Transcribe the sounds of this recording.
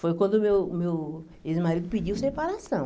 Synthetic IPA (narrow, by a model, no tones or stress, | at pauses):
fojkwɐ̃nd̪ʊmewmew | ezmaɾid̪ʊpid͡ʒiwsepaɾasɐ̃w̃